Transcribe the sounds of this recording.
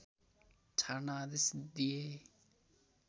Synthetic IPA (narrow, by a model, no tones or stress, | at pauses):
tʰaɾnaːd̪ɪsd̪ije